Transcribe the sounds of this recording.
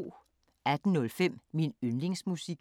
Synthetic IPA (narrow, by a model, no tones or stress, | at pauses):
æd̥n̩nɔ̽lfem̰minønle̝ŋsmusiɡ̥